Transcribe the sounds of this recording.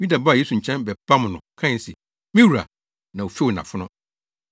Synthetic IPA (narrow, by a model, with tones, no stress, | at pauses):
wĩ˦da˨ba˦˨je˦su˨ɲ̩˨t͡ɕʰɛ̃˦nbɛ˨b̥a˦mʊ̃˨nʊ̰̃˨kʰã˦˨sɛ˨ | mĩ˦wu˨ɾa̰˨ | nã˨o˨fi˦˨nã̰˨fʊ˦nʊ̃˦